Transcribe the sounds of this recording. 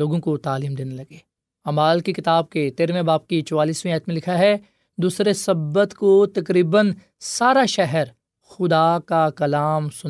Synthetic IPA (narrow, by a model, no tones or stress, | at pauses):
loːɡõkot̪aːliːmd̪eːnelɐɡeː | ɐmaːlkikɪt̪aːb̚ket̪eːɾmẽbaːp̚kit͡ʃɔwaːliːsmẽɛːt̪mẽlɪkʰaɦɛ | d̪uːsɾesɐbːət̪kot̪ɐkɾiːbən | saːɾaʃɛɦɛɾ | xʊd̪akakɐlaːmsʊn